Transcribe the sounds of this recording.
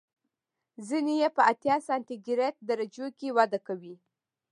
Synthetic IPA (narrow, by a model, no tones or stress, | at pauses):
zinejepəat̪jɑsɑnt̪iɡɪɾek̚d̪aɾad͡ʒokewad̪akawi